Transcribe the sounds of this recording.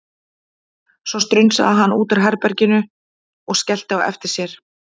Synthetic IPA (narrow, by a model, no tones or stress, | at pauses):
svɔst̪ɾʏjnsa̰ðaɦanːuːt̪aɾ̥ɦɛɾpɛɾcɪnʏ | ɔɣscɛl̥t̪ɪaɛ̰ft̪ɪɾ̥sjɛɾ̥